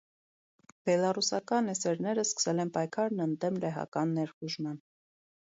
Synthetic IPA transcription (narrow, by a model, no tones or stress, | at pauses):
b̥ɛlɑrusɑkɑnɛsɛɾnɛɾəskə̥sɛlɛnpɑjkʰɑɾnənd̪ɛmlɛɦɑ̰kɑnːɛɾχuʒmɑn